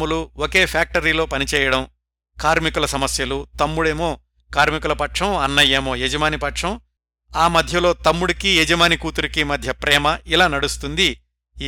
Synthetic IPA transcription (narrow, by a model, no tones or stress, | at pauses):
uluwoke̞ːpʰjaːk̚ʈɐɾiːlo̞ːpɐnit͡ʃɛːjɐɽɐm | kaːɾmikulɐsɐmɐsjɐlut̪ɐmːuɽe̞ːmo̞ː | kaːɾmikulɐpɐʈʂɐmɐnːɐjeːmo̞ːjɛd͡ʒɐmaːnipɐʈʂɐm | aːmɐd̪ʱjɐlo̞ːt̪ɐmːuɽikijɛd͡ʒɐmaːnikuːt̪uɾikimɐd̪ʱjɐpɾɛːmɐilaːnɐɽust̪und̪i